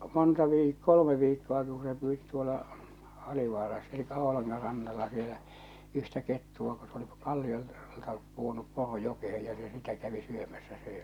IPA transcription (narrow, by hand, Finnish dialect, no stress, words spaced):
montɑ ʋiːk kolə̆me ʋiːkːoɑki ku se pyːti tuolɑ ɑliʋɑːrɑs elikːæ o̥o̝lɑŋːɑ rɑnːɑlːɑ sielæ yhtæ ketːuɑ ko s oli kɑlːiol ltɑ puonup poro jokehej jɑ se sitæ kæʋi syømæsːæ søe